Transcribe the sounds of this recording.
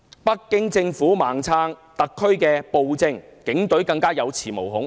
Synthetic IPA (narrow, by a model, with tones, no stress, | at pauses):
pɐ˥kːɪ˥ŋt͡sɪ˧ŋfuː˨˥maː˨ŋt͡sʰaː˥ŋt̪ɐ˨kʰːɵ˥ɥkɛː˧po˧wt͡sɪ˧ŋkɪ˨˥ŋt̪ɵ˨˥ɥkɐ˧ŋkaː˥jɐ˨˧wt͡sʰiː˨˩mo˨˩wɦʊ˨˥ŋ